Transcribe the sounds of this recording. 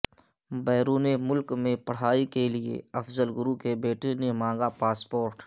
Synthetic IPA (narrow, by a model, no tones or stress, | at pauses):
bɛːɾuːnemʊlkmẽpɐɽ̤aːikeliḛɐfzəlɡʊɾukebeːʈenemãːŋ̆ɡapaːspoːɾʈ